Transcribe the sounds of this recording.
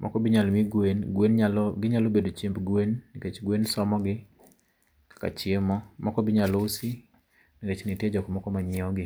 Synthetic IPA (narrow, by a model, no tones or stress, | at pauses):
mʔɔ̰kɔbɪɲalmiɡwenɡwenɲalɡɪɲalobedot͡ʃimbɡwenːiket͡ʃɡwensɔmɔɡɪ | kḁka̰t͡ʃɪemɔmɔkɔbɪɲalosi | niket͡ʃnited͡ʒɔkɔmɔkɔmaɲɪɔɡɪ